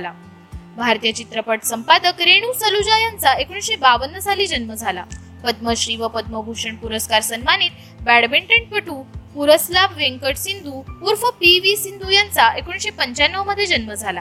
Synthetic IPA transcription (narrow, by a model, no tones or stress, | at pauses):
la | bʱaɾt̪ijat͡ɕit̪ɾəpəʈsəmpad̪əkɾeɽ̃uːsəlud͡ʑajant͡saekuɳɕebaʋənːəd͡zʱaliːd͡ʑənməd͡zʱala̰ | pəd̪̚məɕɾiʋəpəd̪̚məbʱuʂəɳpuɾəskaɾsənmaniːt̪̚ | bæɽbeɳʈɾeɳʈ̚pəʈuːpuɾəslabʋeŋkəʈsind̪ʱuːpuɾfəpiʋisind̪ʱujant͡saʔekuɳɕepəɲt͡ɕanːəʋməd̪ʱːjed͡ʑənməd͡zʱala